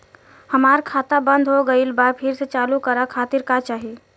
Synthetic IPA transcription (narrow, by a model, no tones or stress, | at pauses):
həmaːɾkʰaːt̪abə̃nd̪ʱɦoɡəiɪlbaːɾpʰɪɾset͡ʃaːlukəɾakʰaːt̪ɪɾkat͡ʃaːɦie